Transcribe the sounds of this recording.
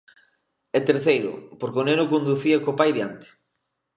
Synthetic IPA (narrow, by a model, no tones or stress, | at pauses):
et̪eɾθejɾʊ̰poɾkonenokond̪uθiakopajðjant̪e̥